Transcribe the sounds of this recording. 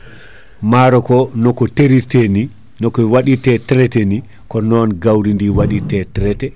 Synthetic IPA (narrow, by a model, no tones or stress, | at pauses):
maːɾɔkɔnɔkɔteɾitɛni | nɔkɔwaɗitɛtɾɛtɛni | kɔnɔnɡawɾindiwaɗitɛtɾɛtɛ